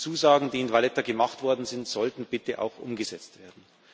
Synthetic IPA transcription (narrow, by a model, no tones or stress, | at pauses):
t͡suːzaːɡŋ̩diːɪnvalɛtɐɡəmaχtv̥ɔɐdn̩zɪntz̥ɔltn̩b̥ɪtəʔa̰ʊxʔʊ̰mɡəzɛt͡stv̥eːɐdn̩